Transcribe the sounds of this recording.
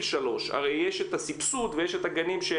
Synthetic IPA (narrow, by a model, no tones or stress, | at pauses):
lʃalo̞ʃa̰ʁejjeʃet̪asipsut̪vejeʃet̪aɡanimʃe